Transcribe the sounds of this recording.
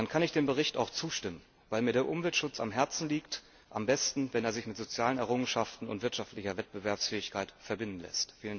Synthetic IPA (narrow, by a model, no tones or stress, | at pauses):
ankʰanɪçd̥eːmbəʁ̞ɪçta̰ʊxt͡suːʃtɪmən | vaɪlmiːɐɾeːɐʔʊmvɛltʃʊt͡sa̰mɦɛɐt͡sn̩liːkt | ʔambɛstn̩vɛneːɐzɪçmɪtz̥ot͡sjaːlənɛɐʁʊŋənʃaftn̩ʊ̰ntv̥ɪɐtʃaftlɪçɐvɛt̚b̥əvɛɐpsfɛːɪçkʰaɪtfɛɐbɪndn̩lɛ̰stfiːlən